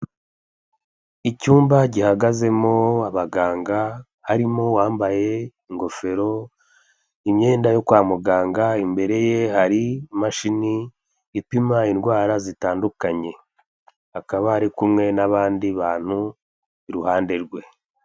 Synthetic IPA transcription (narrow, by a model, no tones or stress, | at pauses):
icuːmbaɟihaɡaze̞mo̞aβaɡaːŋɡa | haɾimo̞waːmbaje̞iŋɡo̞fe̞ɾo̞ | imɲe̞ːndajo̞kwaːmuɡaːŋɡaimbe̞ɾe̞je̞haɾimaʃiniː | pimainɡwaːɾazitaːndukaɲe̞ | akaβahaɾikumŋe̞naβaːndiβaːn̥hu | iɾuhaːndeɾɡwe̞